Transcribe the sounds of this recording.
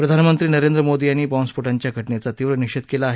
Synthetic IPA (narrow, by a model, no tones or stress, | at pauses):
pɾəd̪ʱanmənt̪ɾiːnəɾend̪ɾəmod̪iːaniːbɔ̃nspuʈaɲt͡ɕjaɡʱəʈnet͡sat̪iːʋɾəniɕət̪kelaːɦe